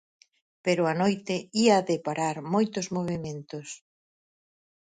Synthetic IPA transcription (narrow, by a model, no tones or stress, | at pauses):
peɾʊanojt̪ɪiaðɪpaɾaɾmojt̪ʊzmoβ̞emẽnt̪ʊs